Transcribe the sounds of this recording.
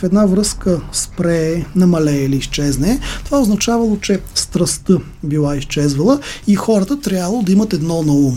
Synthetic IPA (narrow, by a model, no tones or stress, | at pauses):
fɛd̪navɾɤskəspɾɛnɐmɐlɛiliːʃt͡ʃɛznɛt̪ovaoznɐt͡ʃavɐlˠot͡ʃɛst̪ɾɐst̪ə | bilˠaist͡ʃɛzvɐlˠəixɔɾət̪ət̪ɾʲjavələlˠod̪ɐimət̪ɛd̪nɔnɐum